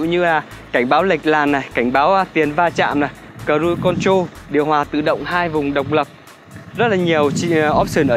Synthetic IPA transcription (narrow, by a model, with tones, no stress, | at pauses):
ɲɨ˧laː˨˩ | ka˧˩jŋ̟ɓaː˨˦wla˨˩k̟̚laː˨˩nːa˨˩jka˧˩jŋ̟ɓaː˨˦wt̪i˨˩ənvaː˧t͡ɕa̰ː˧˨mna˨˩j | kəː˨˩zu˧jkɔ˧nt͡ɕo˧ɗi˨əwhwaː˨˩t̪ɨ̰˧˨ɗə̰˧˨wŋ͡mhaː˧jvʊ˨˩ŋ͡mɗə˨˩wk͡p̚lə˨˩p̚ | zə˦˥t̚laː˨˩ɲi˨˩əwt͡ɕʔɔ˦˥p̚sɨː˧˩nʔəː˧˨